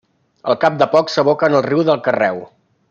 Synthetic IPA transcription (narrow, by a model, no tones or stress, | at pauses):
əlˠkap̚d̪əpɔksəβ̞okəːnəlˠriwðəlˠkərɛw